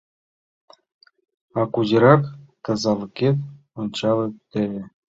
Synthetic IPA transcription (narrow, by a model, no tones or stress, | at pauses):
ɑkuʑɤ̆ɾɑkt̪ɤ̆zɑlˠɤ̆kʲet̪ʲ | ont͡ɕɑlɤ̆t̪ʲɘ̆lʲɘ̆